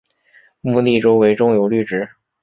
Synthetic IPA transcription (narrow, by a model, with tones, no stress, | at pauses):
mu˥˧t̪i˥˩ʈ͡ʂo˥ʊwe˧˥ɪʈ͡ʂʊ˥ŋjo˨˥ʊly˥˩ʈ͡ʂɻ̩˧˥